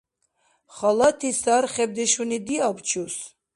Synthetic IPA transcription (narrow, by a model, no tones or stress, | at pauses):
χalat̪ʰisaɾχɛb̚d̪ɛʃunid̪iabt͡ʃʰus